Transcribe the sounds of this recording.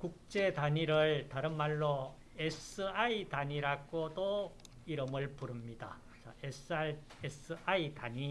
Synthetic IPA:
kuk̚t͡ɕ͈e̞taɲiɾɯɭtaɾɯnmaɭːo | esɯaitaɲiɾaɡodo | iɾɯmɯɭpuɾɯmɲida̰ | t͡ɕa̰es | es͈ɯʔaitaɲi

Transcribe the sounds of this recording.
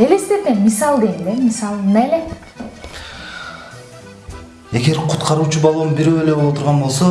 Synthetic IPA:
elest̪ep̪emisɑlˠɡ̪ened̪emisɑlˠnæle | e̞ɡe̞ɾqʰut̪qʰɑɾuːt͡ʃubɑlˠunbiɾøele̞bolˠot̪ʰuɾʁɑnbo̞lˠso

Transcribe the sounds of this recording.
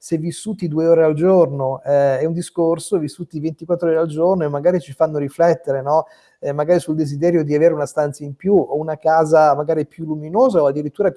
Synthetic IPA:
sɛvːisːuːt̪id̪uːeoːɾeald͡ʒornoɛɛund̪iskorsovisːuːt̪ivent̪ikwat̪ːɾooːɾald͡ʒornoemːaɡaːɾit͡ʃifanːoɾiflɛt̪ːeɾenɔ | ɛmaɡaːɾisuld̪ezid̪ɛːɾjod̪iaveːɾeunast̪ant̪saimpjuounakaːzamaɡaːɾipjulːuminoːzaoad̪ːiɾit̪ːuːɾa

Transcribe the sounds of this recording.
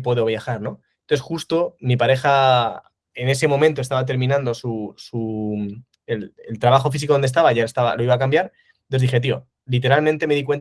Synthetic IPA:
pwe̞ðo̞βjaxaɾno̞ | nonθe̞sxust̪o̞mipaɾe̞xa | e̞ne̞se̞mo̞mẽnt̪o̞est̪aβat̪̬e̞ɾmĩnãnd̪o̞susu | elelt̪ɾaβaxo̞fis̬ikoonest̪aβaʝaest̪aβa̰lo̞iβakambjaɾ | oðixe̞t̪io̞̰ | lit̪̬eɾalmẽnt̪e̞me̞ðik̬we̞nt̪

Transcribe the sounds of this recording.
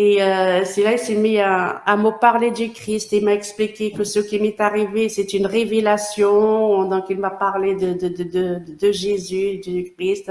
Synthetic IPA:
eøsɛlaisimiaamopaʁled̪ykχist̪eimaɛksplikʲekəsəkʲimɛt̪aʁivesɛt̪ynʁevelasjɔ̃d̪ɔ̃kilmapaʁled̪əd̪əd̪əd̪əd̪d̪əʒezyd̪ykχist̪

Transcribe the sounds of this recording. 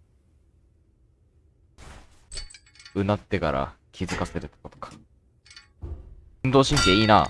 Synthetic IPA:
ɯ̟nat̪ːe̞kaɾa̰kʲʰizɨkase̞ɾɯ̟t̪ːekot̪o̥kḁ | ɯ̃nd̪oːɕĩŋkʲeiːna̰ː

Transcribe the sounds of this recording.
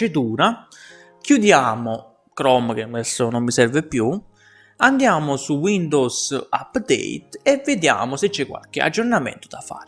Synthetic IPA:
ed̪uːɾa | k̟jud̪jaːmʊ | kɾɔmk̟emːɛst̪onomːisɛrvepːju | and̪jaːmʊsuwind̪owsa̰pːd̪ɛ̰it̪ɛvːed̪ja̰ːmʊset͡ʃːɛkːwa̰lkɪa̰d͡ʒːornamɛ̰nt̪o̥d̪afa̰ːɾ

